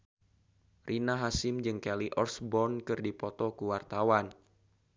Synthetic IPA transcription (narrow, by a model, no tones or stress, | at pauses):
rʔinaɦasɪmd͡ʒɨŋkɛliʔɔrsbɔnkɨrdipɔt̪ɔkuwart̪awan